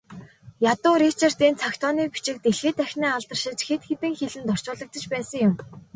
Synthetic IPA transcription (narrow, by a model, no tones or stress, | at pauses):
jat̪ʊːɾit͡ɕʰer̥t̪iːnt͡sʰakt̪ʰɔniːpi̥t͡ɕɪ̆k̚t̪eɮxĕːt̪æxʲniːaɮt̪ə̆r̥ʃɪ̆t͡ɕxet̪xet̪ɘ̆ŋxeɮɘ̆nt̪ɔr̥t͡ɕʊːɮə̆k̚t̪ə̆t͡ɕpæːsə̆ŋjʊm